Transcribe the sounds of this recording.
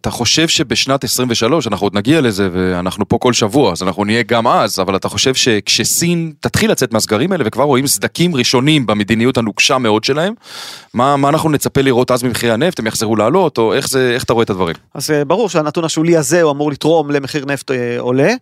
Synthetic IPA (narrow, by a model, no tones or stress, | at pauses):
at̪aχo̞ʃe̞vʃe̞be̞ʃnat̪esʁimveʃalo̞ʃanaχnuod̪naɡiale̞ze̞ve̞anaχnupo̞ko̞lʃavuaːzanaχnunije̞ɡamazavalat̪aχo̞ʃe̞vʃe̞kʃe̞sint̪at̪χilat͡se̞t̪meazɡaʁimaelevekvaʁo̞imsd̪akimʁiʃo̞nimbeme̞d̪inijuthanuɡʃameo̞d̪ʃe̞lae̞mːamaːnaχnunet͡sape̞liʁo̞t̪ʔazmimeχiʁeane̞ft̪emjaχzeʁuleːlo̞t̪o̞e̞χzeeχḁt̪aʁo̞et̪ad̪vaʁḭmazbaʁuʁʃeanatunaʃuliazeuamuʁlit̪ʁo̞mlemeχiʁneft̪eole